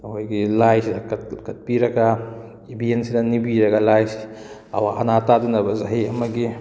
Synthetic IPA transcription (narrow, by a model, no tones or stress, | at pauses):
ɐkojɡilajsidɐkɐkɐt̚piɾɐɡa | ibiensidɐnibiɾɐɡalajsi̥ | ɐ̰waʔa̰natadunɐbɐzaɦiɐmɐɡi